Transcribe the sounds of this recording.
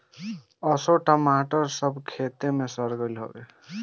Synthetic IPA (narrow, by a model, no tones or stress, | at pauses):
əsoʈəmaʈəɾsəbʱkʰet̪emesəɾɡəlɦo̰ɡḛ